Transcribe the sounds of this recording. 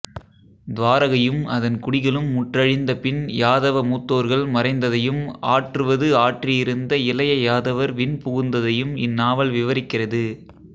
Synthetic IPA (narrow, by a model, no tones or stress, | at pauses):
d̪ʋaːɾɐɣɐjɯmɐðɐnkʊɽɪɣɐɭɯmːʊʈrɐɻɪnd̪ɐpɪnjaːðɐʋɐmuːt̪ːoːɾɣɐɭmɐɾɐɪnd̪ɐðɐjɯmaːʈrɯʋɐðɯaːʈrɪjɪɾɯnd̪ɐɪlɐjɐjaːðɐʋɐɾʋɪnpʊɣɯnd̪ɐðɐjɯmɪnːaːʋɐɭʋɪʋɐɾɪkːɪrɐðɯ